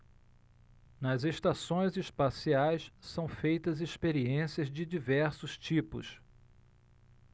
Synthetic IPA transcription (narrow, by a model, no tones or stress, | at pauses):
nɐzeʃt̪asõj̃zespasiajssɐ̃w̃fejt̪ɐzespeɾiẽsiɐzd͡ʒɪd͡ʒivɛɾsʊst͡ʃipʊ̰s